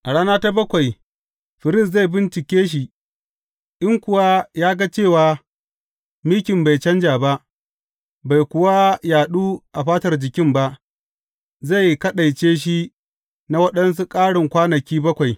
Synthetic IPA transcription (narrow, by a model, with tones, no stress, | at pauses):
ʔa˨ɽaː˦naː˦ta˦bɐ˦kʷa˨j | ɸɪ˨ɾɪ˦˨s̬za˦˨jbɪ˦nt͡ʃɪ˨kʲeː˦ʃ̬i˨ | ʔɪ˦ŋkʷʊ˨wa˦jaː˦ɡa˦t͡ʃeː˦˨waː˨ | miː˦kʲɪ˨mba˨jt͡ʃɐ˦nd͡ʒaː˨ba˦ʔ | ba˨jkʷʊ˦wa˦jaː˨ɗuː˦ʔa˨ɸaː˦tɐ˨rd͡ʒɪ˨kʲɪ˦mba˦ʔ | za˦˨jkɐ˦ɗa˨jt͡ʃeː˦ʃ̬i˦ | na˦wɐ˦ɗɐ˦ns̬u˦kʼaː˦ɽɪ˨ŋkʷaː˦nɐ˨kʲiː˦bɐ˦kʷa˨j